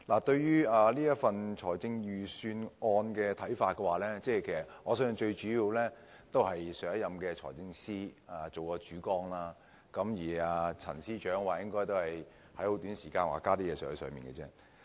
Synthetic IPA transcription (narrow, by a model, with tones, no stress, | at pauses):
laː˨˩t̪ɵ˧ɥjyː˥aː˨liː˥jɐ˥tfɐ˨nt͡ʃʰɔː˨˩jt͡sɪ˧ŋjyː˨syː˧nʔɔː˧nkɛː˧t̪ʰɐ˨˥jfaː˧t̚kɛ˧waː˨˩lɛː˥t͡sɛː˥˩kʰe˨˩sɐ˨˩t̚ŋɔː˨˧sœː˨˥ŋ˧t͡ʃɵ˧ɥt͡ʃyː˨˥jiː˧wlɛː˥ | t̪o˥whɐ˨jsœː˨˥jɐ˨mkɛː˧t͡ʃʰɔ̰ː˨˩jt͡sɪ˧ŋsiː˥aː˨t͡so˨wkɔː˧t͡ʃyː˨˥kɔː˥ŋlaː˥ | kɐ˨˥mjiː˨˩aː˨˧t͡sʰɐ̰˨˩nsiː˥t͡ʃœː˨˥ŋwaː˨˩jɪ˥ŋkɔː˥jt̪o˥whɐ˨j | hɐ˨˥jho˨˥wt̪yː˨˥nsiː˨˩kaː˧nwa̰ː˨˩kaː˥t̪iː˥jɛː˧sœː˨˥˨sœ̰ː˨˧ŋmiː˨nkɛ̰˧t͡sɛː˥